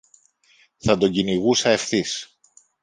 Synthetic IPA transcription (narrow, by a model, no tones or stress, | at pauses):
θɐd̪o̞ɟiniɣusɐe̞fθis